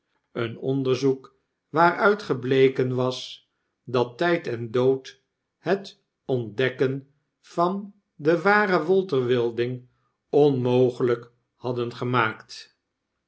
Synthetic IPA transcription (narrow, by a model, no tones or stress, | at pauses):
ənɔ̰ndəɹzuk | ʋaːrœɥtχəblejkənʋɑs | dɑtɛjtɛndowt | hət | ɔndɛkən | v̥ɑn | dəʋaːrəʋɔlˠtərʋɪlˠdɪŋ | ɔnmowχələk | hɑdənχəmaːkt